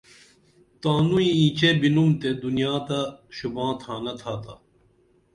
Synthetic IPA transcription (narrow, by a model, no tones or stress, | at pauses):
t̪aːnuĩĩːt͡ɕebinumt̪ed̪unijaːt̪ɐɕubãːt̪ʰaːnɐt̪ʰaːt̪a